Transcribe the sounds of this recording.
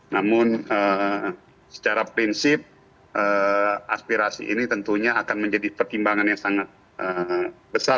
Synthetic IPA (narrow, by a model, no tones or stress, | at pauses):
namʊnə | sə̥t͡ʃaɾapɾinsɪp̚ | əa̰spiɾasḭʔḭnit̪ənt̪uɲaːkanməɲd͡ʒadipərt̪imbaŋanjaŋsaŋat̪̚ | əbəsa